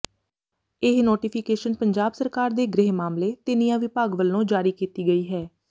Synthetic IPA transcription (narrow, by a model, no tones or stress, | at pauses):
ɪɦnoːʈiːpʰɪkeːʃənpəɲd͡ʒaːbsəɾkaːɾd̪eːɡɾɪɦmaːmleːt̪ɪnijãːʋɪpaːɡʋəlːõːd͡ʒaːɾiːkiːt̪iːɡəiːɦɛː